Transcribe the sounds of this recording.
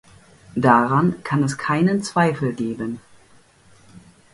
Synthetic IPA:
d̥aʁankʰanɛskʰaɪnənt͡sv̥aɪfl̩ɡeːbən

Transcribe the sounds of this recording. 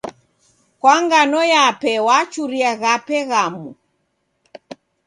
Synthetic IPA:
kwaŋɡanɔjapɛwat͡ʃuɾiaɣapɛɣamu

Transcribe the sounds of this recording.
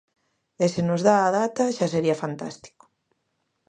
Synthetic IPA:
ɪsenozðaːðat̪ɐʃaseɾiɐfant̪a̰st̪i̥ko̥

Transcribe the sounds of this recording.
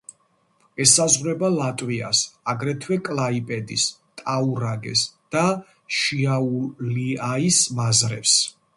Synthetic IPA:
ɛsazʁɾɛbalat̪ʼwia̰saɡɾɛt̪ʰwɛkʼlaipʼɛd̪ḭst̪ʼauɾaɡɛ̰sd̪̥a | ʃiauliaismazɾɛ̰ps

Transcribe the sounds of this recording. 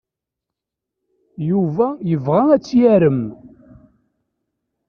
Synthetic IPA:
juvæjəvʁææt͡sːjæɾəm

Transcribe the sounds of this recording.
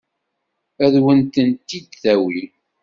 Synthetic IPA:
æðwənt̪ənt̪ːid̪θæwi

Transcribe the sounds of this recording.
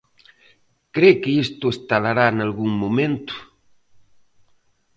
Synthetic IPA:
kɾekɪist̪ʊest̪alaɾanalɣuŋmumẽnt̪ʊ̥

